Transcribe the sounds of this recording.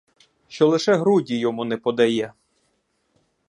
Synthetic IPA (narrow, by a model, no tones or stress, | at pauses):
ʃt͡ʃɔlˠɪʃɛɦɾudʲijɔmunɛpɔd̪ɛjɛ